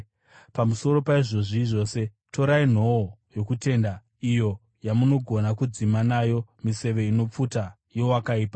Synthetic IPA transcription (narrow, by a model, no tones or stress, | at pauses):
pamuso̞ɾo̞paiʐo̞ʐiʐo̞ːse̞ | to̞ɾain̤o̞ojo̞kute̞ːnda | ijo̞ | jamuno̞ɡʱo̞nakud͡zimanajo̞mise̞ʋe̞ino̞p͡futa | jowakaiːpa